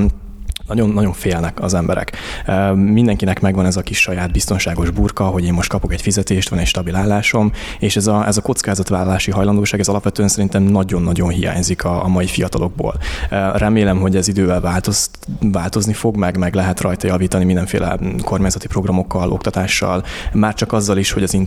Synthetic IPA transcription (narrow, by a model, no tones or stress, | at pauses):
nɒɟo̞nːɒɟo̞ɱfeːlnɛkɒzɛmbɛɾɛ̰k | mind̪ɛŋkinɛkmɛɡʋɒnɛzɒkiʃːɒjaːd̪bist̪o̞nʃaːɡo̞ʒburkɒɦo̞ɟeːmːo̞ʃt̪kɒpo̞kɛcfizɛt̪eːʃt̪ʋɒnɛcʃt̪ɒbilaːlːaːʃo̞m | eːʃɛzɒɛzɒko̞t̪skaːzɒt̪ʋaːlɒlaːʃiɦɒjlɒnd̪oːʃaːɡɛzɒlɒpʋɛt̪øːɛnsɛɾint̪ɛmnɒɟo̞nːɒɟo̞nɦija̰ːɲzikʰɒmɒjifijɒt̪ɒlo̞ɡ̚bo̰ːlrɛmeːlɛmɦo̞ɟɛzid̪øːvɛlvaːlt̪o | vaːlt̪o̞znifo̞ɡmɛɡmɛɡlɛɦɛt̪rɒjt̪ɒjɒviːt̪ɒnimind̪ɛɱfḛːlɛ̰ko̞rmaːɲzɒt̪i̥pro̞ɡrɒmo̞kːɒlʔo̞kt̪ɒt̪aːʃːɒ̰lmaːrt͡ʃɒkɒzːɒliʃho̞ɟɒzin